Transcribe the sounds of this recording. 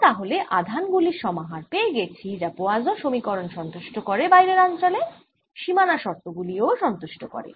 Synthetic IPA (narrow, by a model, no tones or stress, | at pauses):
t̪aɦoleʔad̪ʱanɡuliɾʃɔmaɦaɾpeeɡet͡ɕʰid͡ʑapoad͡ʑoʃomikɔɾonʃɔnt̪uʃʈokoɾebajɾeɾant͡ɕole | ʃimanaʃɔɾt̪oɡulioʃɔnt̪uʃʈokɔ̰ɾḛ